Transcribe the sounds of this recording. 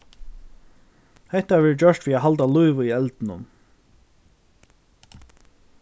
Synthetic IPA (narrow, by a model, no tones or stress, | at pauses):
hɛht̪avɛːɾd͡ʒœʂt̪viːaɦalt̪alʊjʋəiɛlt̪nʊ̰n